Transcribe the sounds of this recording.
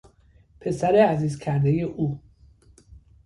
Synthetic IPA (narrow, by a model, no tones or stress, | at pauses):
pʰe̞sæɾeæziːzkʰæɾd̪eje̞ʔuː